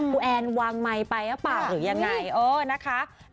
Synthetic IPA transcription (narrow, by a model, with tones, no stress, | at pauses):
u˧ʔɛː˧nwaː˧ŋma˧jpa˧jka˦˥paː˨˩wɾɯː˩˦ja˧ŋːa˧jʔɤː˧˩na˦˥kʰa˦˥